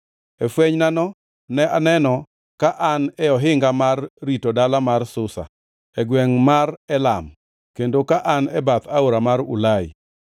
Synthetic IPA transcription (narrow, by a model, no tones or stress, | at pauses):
ɛfweɲnanɔ | nɛanɛnɔ | kaʔanɛɔɦɪŋɡamarːitodalamarsʊsa̰ | ɛɡwɛŋmarɛlam | kendokaʔanɛbat̪aoɾamaɾʊ̰laɪ̰